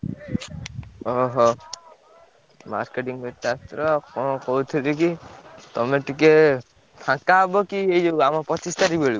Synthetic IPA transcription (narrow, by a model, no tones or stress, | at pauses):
ɔɦɔ | ma̰ɾkeʈiŋbet̪at̪ɾɔkɔkɔɦut̪ʰilikit̪ɔmeʈike | pʰãkabɔkiejd͡ʒoamɔpɔtist̪aɾibeɭi